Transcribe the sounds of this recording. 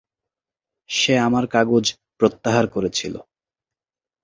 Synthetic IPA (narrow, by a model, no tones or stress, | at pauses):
ʃeamaɾkaɡod͡ʑ | pɾot̪ːaɦaɾkoɾet͡ɕʰilo̰